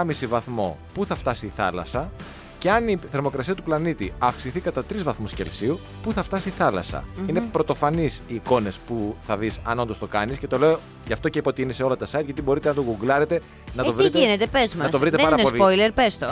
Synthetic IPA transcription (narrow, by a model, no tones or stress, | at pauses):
ɐmisivɐθmo̞̰puθɐft̪ɐsi̥iθɐ̰lɐ̰sɐ | ce̞ɐniθe̞ɾmo̞kɾɐsiɐt̪uplɐnit̪iɐfksiθikɐt̪ɐt̪ɾizvɐθmusce̞̰lsiu | puθɐft̪ɐsiiθɐlɐ̰sɐ̰inepɾo̞t̪o̞fɐnisiːko̞ne̞spuθɐðisɐno̞nd̪o̞st̪o̞kɐnisce̞t̪o̞le̞o | ʝɐft̪o̞ceipo̞t̪iineseo̞lɐt̪ɐsɐit̪ʝɐt̪ibo̞ɾit̪eɐnt̪oɡuɡlɐɾe̞t̪e̞ | nɐt̪ovɾit̪einet̪epezmɐnɐst̪vɾit̪eɐɐnosliojleɾpest̪o